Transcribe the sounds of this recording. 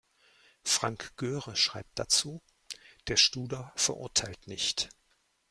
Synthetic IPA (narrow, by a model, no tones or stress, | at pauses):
fʁ̥aŋkɡ̥øːʁəʃʁ̥a̰ɪp̚t̚d̥at͡suː | d̥eːɐʃtuːdɐfɛɐʔʊɐtʰaɪltnɪçt